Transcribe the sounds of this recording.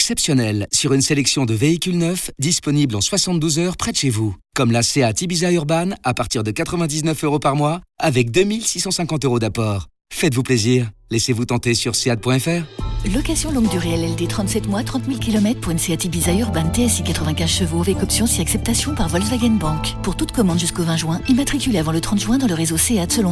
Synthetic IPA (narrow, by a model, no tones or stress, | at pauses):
ɛksɛpsjɔnɛlsyʁynselɛksjɔ̃d̪əveikʲylnœfd̪ispɔniblɑ̃swasɑ̃t̪̚d̪uzœʁpχɛt̪ʃevukɔmlaseat̪ibizayʁbanapaʁt̪iʁd̪əkat̪χəvɛ̃d̪iznœføʁopaʁmwaavɛk̚d̪ømilsisɑ̃sɛ̃kɑ̃t̪øʁod̪apɔːʁ | fɛt̪vupleziʁlɛsevut̪ɑ̃t̪esyʁseat̪̚pwɛ̃ɛfɛːʁlɔkasjɔ̃lɔ̃ɡd̪yʁeɛlɛld̪et̪χɑ̃t̪sɛt̪mwat̪χɑ̃t̪milkʲilɔmɛt̪χpuʁynseat̪ibizayʁbant̪eɛsikat̪χəvɛ̃kʲɛ̃zʃəvovɛkɔpsjɔ̃siaksɛp̚t̪asjɔ̃paʁvɔlzvaɡanbɑ̃kpuʁt̪ut̪kɔmɑ̃d̪ʒyskovɛ̃ʒwɛ̃imat̪χikʲyleavɑ̃lət̪χɑ̃t̪ʒɥwɛ̃d̪ɑ̃ləʁezoseat̪səlɔ̃